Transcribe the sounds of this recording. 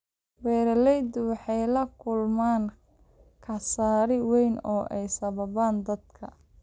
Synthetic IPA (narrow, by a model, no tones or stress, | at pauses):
wɛːɾɐlɛjd̪ʊwɑħɑjlɐkʰʊlmaːn | kʰɐsaːɾɪwɛjnɔːʔɛjsɐβɐβaːnd̪ɐd̪kʰɐ